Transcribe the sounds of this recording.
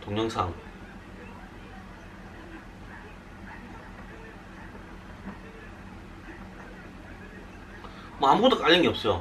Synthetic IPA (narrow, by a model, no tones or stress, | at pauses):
toŋɲʌŋsʰa̰ŋ | mʌamuɡʌt͈ːok͈aʎjːʌŋɡiʌp̚s͈ʌjo